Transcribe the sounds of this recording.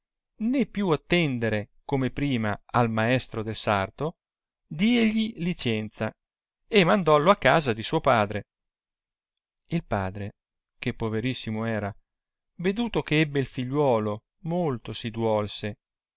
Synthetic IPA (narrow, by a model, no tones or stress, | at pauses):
nepːjuat̪ːɛnd̪eɾekomepɾiːmaalmaɛst̪ɾod̪elsart̪o | d̪iːeʎilit͡ʃɛnt̪sa | emːand̪ɔloakːaːzad̪isuːopaːd̪ɾe | ilpa̰ːd̪ɾe | k̟epːoveɾisːimoɛːɾa | ved̪uːt̪okeɛbːeilfiʎːwɔːlo | molt̪osid̪wɔlse